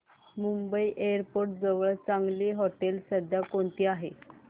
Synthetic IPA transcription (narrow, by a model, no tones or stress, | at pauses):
mumbəiʔeəɾpoɾʈ̚d͡zəʋəɭt͡saŋɡliːɦɔʈelsəd̪ʱjakoɳt̪iːaɦe